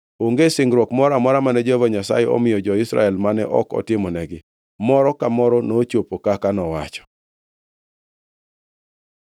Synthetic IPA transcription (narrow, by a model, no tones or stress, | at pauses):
oŋɡesɪŋɡɾwɔkmɔɾamɔɾamanɛd͡ʒovɔɲasa̰jɛo̰mɪjɔd͡ʒɔɪsɾa̰ɛlmanɛʔɔ̰kɔ̰tɪmɔnɛɡɪ | mɔɾɔkamɔɾɔnot͡ʃopokakanɔwa̰t͡ʃɔ̥